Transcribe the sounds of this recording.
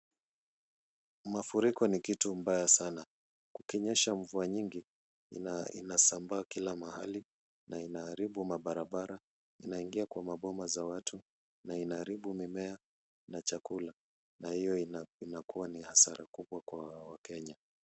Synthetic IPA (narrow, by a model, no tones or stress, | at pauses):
mafuɾikɔnikitumbajasana | kukɛɲɛʃaɱvuaɲiŋɡi | ḭnasambaːkilamaha̰li | nainaːɾiɓumaɓaɾaɓaɾa | inaiŋɡiakwamaɓɔmazawatʰu | nainaːɾiɓumimɛa | nat͡ʃakula | nahijɔinakuanihasaɾakuɓwakwawakɛɲa